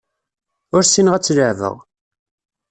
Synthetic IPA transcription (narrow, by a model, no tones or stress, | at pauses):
ʊɾsinəʁæt͡sːləʕvə̰ʁ